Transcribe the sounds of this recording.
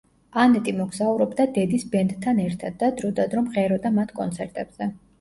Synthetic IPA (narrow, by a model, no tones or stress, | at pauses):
anɛt̪ʼimɔɡzauɾɔbd̪ad̪ɛd̪isbɛnd̪ʰːanɛɾt̪ʰad̪̚ːad̪ɾud̪ad̪ɾɔmʁɛɾɔd̪amat̪ʰkʼɔ̰nt̪sʰɛɾt̪ʼɛb̥z̥ɛ